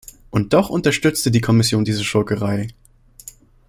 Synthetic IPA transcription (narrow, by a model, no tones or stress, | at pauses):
ʔʊnt̚d̥ɔχʊntɐʃtʏt͡stədiːkʰɔmɪsjoːndiːzəʃɔlkəʁaɪ